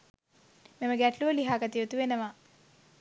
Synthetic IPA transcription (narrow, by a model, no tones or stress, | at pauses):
memɐɡɛʈluʋɐliɦaːkɐt̪iʋt̪uʋenɐʋa